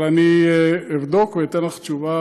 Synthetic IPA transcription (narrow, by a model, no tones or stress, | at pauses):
laniivd̪okveit̪enlaχt͡ʃuva